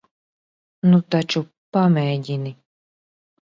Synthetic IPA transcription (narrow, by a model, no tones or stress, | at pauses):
nut̪at͡ʃu | pamʲɛjɟʲini